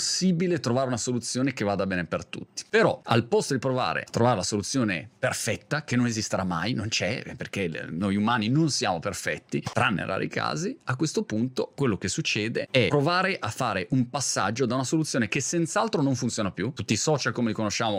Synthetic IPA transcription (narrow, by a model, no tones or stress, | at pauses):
sːiːbilet̪ɾovaːɾeunasolut̪sːjoːnekevːad̪abɛːnepert̪ṵt̪ːi̥peɾɔ̰a̰lpɔst̪od̪ipɾova̰ːɾḛat̪ːɾovaːɾelasolut̪sːjoːneperfɛt̪ːakenːonezist̪eɾamːajnont͡ʃɛperkenojumaːninonsjaːmoperfɛt̪ːit̪ɾanːḛra̰ːɾḭka̰ːziakːwest̪opunt̪okwelːokesːut͡ʃːɛːd̪eɛpɾovaːɾeʔafːaːɾeʔumpasːa̰d͡ʒːod̪aunasolut̪sjoːnekesːent̪salt̪ɾonoɱfunt̪joːnapjut̪ut̪ːisɔt͡ʃalkomelikonoʃaːmo